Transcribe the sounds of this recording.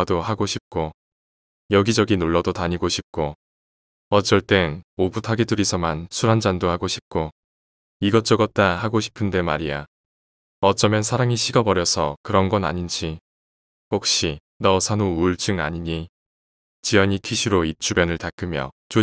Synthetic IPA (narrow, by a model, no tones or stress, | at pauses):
dohaɡoɕʰip̚k͈o | jʌɡid͡ʑʌɡinoɭːʌdotaɲiɡoɕʰip̚k͈o | ʌt͡ɕ͈ʌɭt͈e̞nobutʰaɡedɯɾisʰʌmansʰuɾand͡ʑandohaɡoɕʰip̚k͈o | iɡʌt͡ɕ͈ʌɡʌt̚t͈ahaɡoɕʰi̥pʰɯnde̞ma̰ɾija | ʌt͡ɕ͈ʌmjʌnsʰaɾaŋiɕʰiɡʌbʌɾjʌsʰʌkɯɾʌnɡʌna̰ɲind͡ʑi | hok̚ɕ͈i | nʌsʰanuːɭt͡ɕ͈ɯŋa̰ɲiɲi | t͡ɕijʌɲitʰiɕʰiɾoit͡ɕ͈ʰubjʌnɯɭtak͈ɯmjʌ̰t͡ɕo